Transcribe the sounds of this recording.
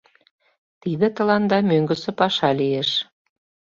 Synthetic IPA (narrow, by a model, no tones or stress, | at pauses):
t̪id̪ĕt̪ə̆lɑnd̪ɑmøŋɡə̆sĕpɑʃɑlieʃ